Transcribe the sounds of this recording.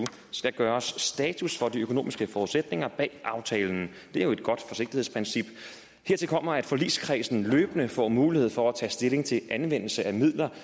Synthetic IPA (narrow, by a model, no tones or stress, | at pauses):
u | sɡ̥æɡ̥ɶːɐsːd̥ɛːt͡sʰusfɒ̽d̥iøkʰo̝no̝̰ːmisɡ̥əfɒːuðˠsed̥ne̝ŋɐb̥ɛ̰ːʔɑ̈ʊt͡sʰɛːln̩ | d̥e̝æɐjo̝e̝d̥ɡ̥ɒ̽d̥fɒ̽se̝ɡ̥d̥ihe̝̰spʰʁinsib̥ | he̝ɐ̰t͡sʰe̝lkʰɒ̽m̰ɐæd̥fɒ̽lḭːskʰʁḭːsn̩løːb̥ənəfɒ̰ːmuːlihe̝ð̰ˠfɒ̽æt͡sʰɛ̰ːsd̥e̝le̝ŋt͡sʰe̝ʔænʋen̰l̩səʔæmið̰ˠlɐ